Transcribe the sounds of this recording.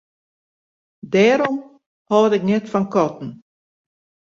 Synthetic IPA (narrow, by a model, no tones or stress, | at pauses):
dɛːɾɔm | hɔːdɪknɛtfɔnkɔtn̩